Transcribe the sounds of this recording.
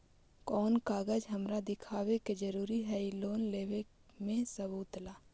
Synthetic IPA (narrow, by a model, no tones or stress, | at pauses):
kɔːnkaːɡəd͡ʒɦəmɾad̪ɪkʰaːweked͡ʒəɾuːɾiɦɛiloːnleːwe | mẽsəbuːt̪laː